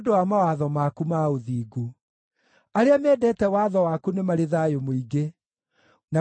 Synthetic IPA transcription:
odowamawaðɔmakumaoðiːɡu | aɾeamɛːdɛtɛwaðɔwakunemaɾeðajomoiɡe | na

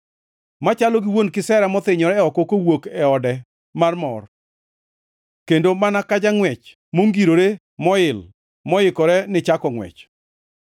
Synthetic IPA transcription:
mat͡ʃalɔɡɪwonkɪsɛɾamɔt̪ɪɲɔɾɛɔkokowokɛɔdɛ | marmɔr | kendomanakad͡ʒaŋwɛt͡ʃ | moŋɡiɾoɾe | mɔɪl | mɔɪkɔɾɛnɪt͡ʃakɔŋwɛ̰t͡ʃ

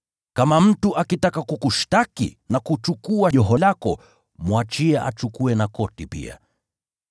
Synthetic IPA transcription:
kamam̩tuʔakitakakukuʃtakḭnakut͡ʃukuaʄɔɦɔlakɔ | mwat͡ʃiɛʔa̰t͡ʃukuɛnakɔtipḭa̰

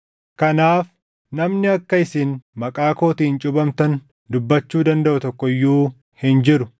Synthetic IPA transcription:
kɐnaːf | nɐmnɪɐkːɐɪsiːnmɐkʼaːko̞ːt̪iːnt͡ʃʼʊbɐmt̪ɐn | d̪ʊbːɐt͡ʃːuːd̪ɐnd̪ɐʔʊt̪ɔkːɔɪjːuː | hɪnd͡ʒɪɾʊ

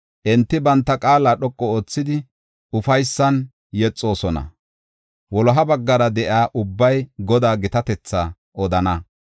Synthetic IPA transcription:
ʔɛnt̪ːɪbɐnt̪ːɐkʼaːlaːɗɔkʼːɔoːt͡sːɪd̪ɪ | ʊfɐjsːɐn | jɛt͡sʼːo̞ːsɔnɐ̰ | wɔlɔɦɐbɐɡːɐɾɐd̪ɛʔɪaːʔʊbːɐjɡɔd̪aːɡɪt̪ɐt̪ɛt͡sːa | ʔɔd̪ɐnɐ

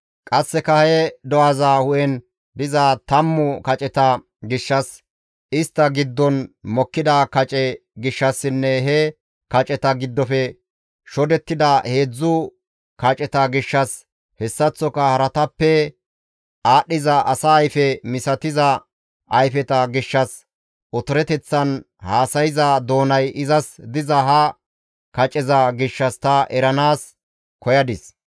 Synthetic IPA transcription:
kʼɐsːɛkɐhɛd̪ɔazahʊʔɛn | d̪ɪzɐt̪ɐmːʊkɐt͡ʃʼɛt̪ɐ | ɡɪʃːɐs | ɪst̪ːɐɡɪd̪ːɔnmɔkːɪd̪ɐkɐt͡ʃʼɛɡɪʃːɐsːɪnːɛɦɛ | kɐt͡ʃʼɛt̪ɐɡɪd̪ːɔfɛ | ʃɔd̪ɛt̪ːɪd̪ɐhe̞ːd͡zːʊ | kɐt͡ʃʼɛt̪ɐɡɪʃːɐs | hɛsːɐt͡sːɔkɐhɐɾɐt̪ɐpːɛ | aːɗːɪzɐʔɐsɐːjfɛmɪsɐt̪ɪzɐ | ʔɐjfɛt̪ɐɡɪʃːɐs | ʔɔt̪ɔɾɛt̪ɛt͡sːɐn | haːsɐjɪzɐd̪o̞ːnɐjɪzɐsd̪ɪzɐɦɐ | kɐt͡ʃʼɛzɐɡɪʃːɐst̪ɐʔɛɾɐnaːs | kɔjɐd̪ɪs

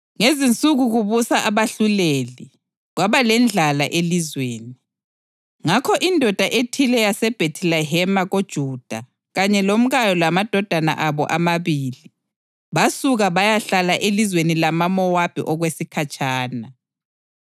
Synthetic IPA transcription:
ŋezint͡sʼuɣuɣuβusaʔaβaɬuleːli | ɣwaβalɛnd͡ɮʱalaʔelizweːni | ŋakʰɔʔindʱɔd̥ʱaʔetʰilɛjasɛb̥ʱetʰilɛɦɛmaɣod̥ʒ̥ʱuːd̥ʱa | ɣaɲɛlom̩ɣajɔlamad̥ʱɔd̥ʱana̰ʔaβɔ̰ʔamaβiːli | βasuɣaβajaɬalaʔelizwenilamamɔwapʰḭʔɔɣwesikʰat͡ʃʰʼaːna

